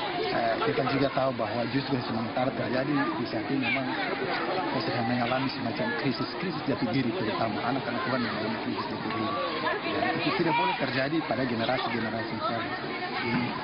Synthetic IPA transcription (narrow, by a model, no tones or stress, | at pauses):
əkit̪ad͡ʒuɡat̪aubaɦwad͡ʒust̪ɾusəmaŋat̪aɾat̪ərd͡ʒadibisat̪imɛmaŋ | kasuɦanmɛŋalamisəmat͡ʃamkɾisɪskɾisɪsdap̪iɡiɾipəɾut̪amaʔanakanat̪uɦanmɛŋalamikɾisɪsdap̪iɡiɾi | jait̪ut̪idaʔ̚bolɛht̪ərd͡ʒadipadaɡɛnɛɾasiɡɛnɛɾasimt̪ana | ini